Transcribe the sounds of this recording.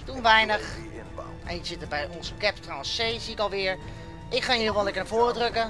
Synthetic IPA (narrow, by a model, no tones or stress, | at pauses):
d̥unʋɛjnəx | ʔɛ̃nəzɪtəbɛjɔnsəkɛptrɔsejziɪkɔlˠʋɪəɹ | ʔɪkχaːnjilˠʋɔlɛkəɹnavoːrədrøkə